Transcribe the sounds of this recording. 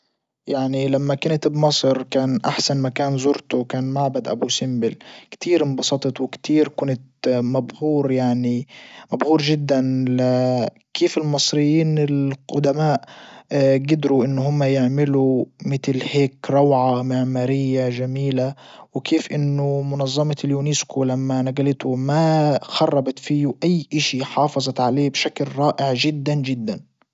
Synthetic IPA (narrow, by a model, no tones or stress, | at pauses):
jaʕnilamːakʊnt̪bmɑsˤɾkaːnʔaħsanmakaːnzʊɾt̪uwkaːnmaʕbad̪ʔa̰busɪmbɪlkt̪iːɾbɑsˤɑt̪ˤɑt̪wɪkt̪iːɾkʊnt̪̚mabhuːɾjaʕnimabhuːɾʒɪd̪ːanlɪ | kʰeːfɪlmɨsˤɾɪjːiːnɪlxʊd̪amaːʔ | ɡɪd̪ɾuʔɪnːɦʊmːajɪʕmɪlumɪt̪lheːkɾˤɑwʕamɪʕmaɾɪjːaʒamiːlawɪkʰeːfʔɪnːʊmʊnɑzˤːɑmɑljuːniskʊlamːanaɡalɪt̪ʊmaxɑrˤːɑbɑt̪fiːʔajːʔaʃiħɑːfɑzˤɑt̪ʕaleːbʃaklɾˤɑːʔɪʕʒɪd̪ːand͡ʒɪd̪ːan